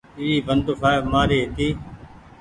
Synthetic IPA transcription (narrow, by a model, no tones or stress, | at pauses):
iːiːbənd̪ʊfʰaːmaːɾeːɦt̪iː